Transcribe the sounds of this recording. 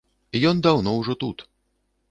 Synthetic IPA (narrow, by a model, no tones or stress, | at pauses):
ijɔnd̪awnɔwʐɔt̪ut̪